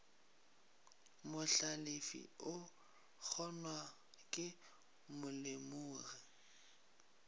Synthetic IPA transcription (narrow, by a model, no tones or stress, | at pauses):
mʊɬalefḭʊ | k͡xʰɔnwa | kʼɪ | mʊlemuːɣi